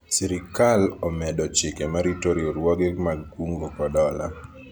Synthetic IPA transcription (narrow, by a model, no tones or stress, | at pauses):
siɾɪkalɔmɛdɔt͡ʃɪkɛmaɾitoɾioɾwɔɡemaɡuŋɡokɔdɔla̰